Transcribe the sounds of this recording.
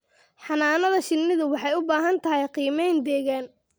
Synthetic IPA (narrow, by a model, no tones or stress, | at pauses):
ħɑnaːnɐðɐʃɪnːɪðʊwɑħɑjʊbaːɦɐnt̪ʰɐɦɛjqiːmɛjnd̪ɛːɣaːn